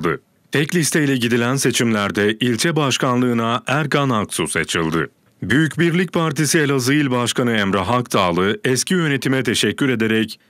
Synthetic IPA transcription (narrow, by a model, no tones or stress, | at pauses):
d̪ɯ | t̪ʰɛclʲist̪ʰejlʲɛɟid̪ilʲænse̞t͡ʃʰimlʲæɾd̪ɛʔilʲt͡ʃʰɛbaʃkanlˠɯːnaʔæɾkanaksuset͡ʃʰɯlˠd̪ɯ | byjycbiɾlʲic̚pʰaɾt̪ʰisielʲazɯjilʲbaʃkʰanɯɛmɾaɦak̚t̪ʰaːlˠɯɛscijø̞ne̞t̪ʰimɛt̪ʰe̞ʃɛcʰːyɾe̞d̪eɾɛc